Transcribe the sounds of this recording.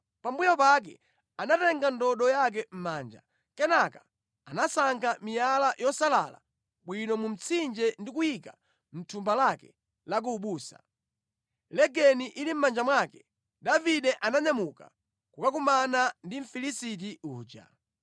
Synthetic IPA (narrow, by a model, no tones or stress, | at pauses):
pambujɔpak̬ɛ̰ | anatɛŋɡandɔɗɔjak̬ɛm̩maːnd͡ʒa̰ | kɛnakḁ | anasaŋkʰamijalajɔsala̰la̰ | ɓwinɔmum̩t͡sʰind͡ʒɛndikujika | m̩tʰumbalakɛ | lak̬uːɓuːsa̰ | lɛɡɛniʔilim̩mand͡ʒamwakɛ | daviɗɛʔanaɲamuka | kukakumanandiɱ̩filisit̬iuːd͡ʒa̰